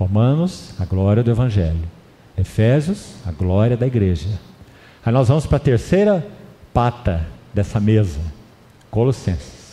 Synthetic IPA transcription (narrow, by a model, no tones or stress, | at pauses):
homɐ̃nʊzɐɡlɔɾiɐd̪ʊevɐ̃ʒɛlʊ | efɛzjʊzɐɡlɔɾiɐd̪ɐiɡɾeʒɐ | ainɔzvɐ̃mʊspɾɐt̪eɾsejɾɐpat̪ɐd̪ɛsɐmezɐ | kolosẽsɪ̥s